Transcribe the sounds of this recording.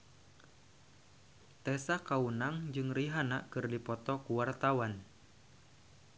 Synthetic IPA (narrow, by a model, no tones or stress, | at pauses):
t̪ɛsakaunaŋd͡ʒɨŋriɦana̰ʔkɨrdipɔt̪ɔkuwart̪awan